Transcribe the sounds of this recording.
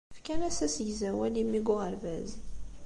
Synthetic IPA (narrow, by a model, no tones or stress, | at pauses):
fkænæsæsʝzæwælimːiɡʊʁəɾvæz